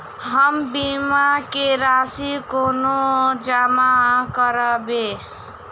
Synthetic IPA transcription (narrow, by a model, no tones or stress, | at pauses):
ɦəmbimakeɾasikonod͡ʒamakəɾəbe